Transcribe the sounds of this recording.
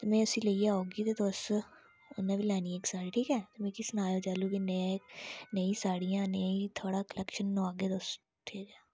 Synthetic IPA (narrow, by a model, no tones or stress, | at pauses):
t̪emɛ̃ːʊsiːləijauːɡiːt̪eːd̪os | ʊnãːʋiːlɛːnieːksaːɾeːʈʰiːkɛːt̪emɛ̃ːkisənaːjoːd͡ʒaːluːkine | neĩːsaːɽijãːneit̪ʰoːɽaːkəlɛkʃənːoaːɡeːd̪oːs | t̪ʰeːɡaː